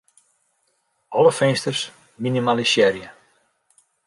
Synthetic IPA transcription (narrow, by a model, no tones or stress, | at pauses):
ɔləfɪnstərs | minimalisjɛɾjə